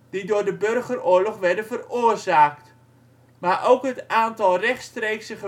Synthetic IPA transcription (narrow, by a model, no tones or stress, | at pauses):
d̥idʊːdəbørɣərʊːɹlɔχʋɛrdəvərʊːərzaːkt | marʔowkɦətaːntɑlˠrɛχtstrejksəχə